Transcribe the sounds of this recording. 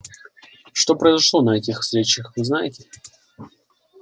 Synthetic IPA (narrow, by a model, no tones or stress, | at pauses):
ʂt̪o̞pɾəɪzɐʂlˠonɐɛtʲɪxfst̪ɾʲet͡ɕəxvɨznajɪtʲɪ